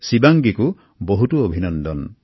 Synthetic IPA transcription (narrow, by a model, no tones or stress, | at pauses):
sibaŋɡiku | boɦutuobʱinɔnd̪ɔn